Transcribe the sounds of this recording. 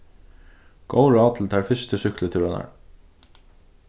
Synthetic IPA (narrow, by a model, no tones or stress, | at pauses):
ɡ̥oʊɹɑːt̪l̩t̪ʰɑːɹfʏst̪əsʏklət̪ʰʉːɾənæ̰ɹ